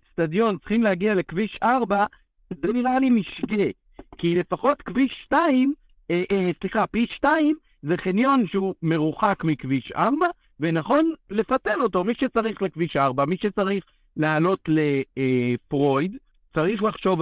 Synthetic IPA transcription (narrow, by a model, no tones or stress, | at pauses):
stadjo̞nt̪t͡sχimleaɡiale̞kviʃʔaʁba | deniʁalimiʃɡe | kile̞faχo̞tkviʃtaim | eʔsliχapiʃtaim | ze̞χinjo̞nʃeume̞ʁuχakmikviʃʔa̰ʁba | venaχo̞nle̞fatelo̞to̞miʃet͡saʁiχle̞kviʃʔaʁbamiʃet͡saʁiχ | lealo̞tle̞ | fʁo̞jd | t͡saʁiχlaχʃo̞v